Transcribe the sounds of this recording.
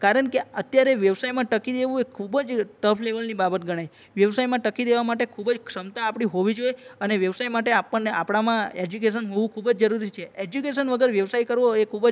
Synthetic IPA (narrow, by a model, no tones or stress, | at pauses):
kaɾəɳkeət̪jaɾeʋjəʋsajmãʈəkid̪eʋũekʰubəd͡ʒʈəpʰleʋəlnibabət̪ɡəɽ̃aj | ʋjəʋsajmãʈəkid̪eʋamaʈekʰubəd͡ʒkʰsəmt̪aːpɽ̃iɦoʋid͡ʒoeəneʋjəʋsajmaʈeapəɳːeapɽ̃amãed͡ʒukeʃ̬ənɦoʋũkʰubəd͡ʒd͡ʒəɾuɾit͡ʃʰeed͡ʒjukeʃənʋəɡəɾʋjəʋsajkəɾʋoekʰubə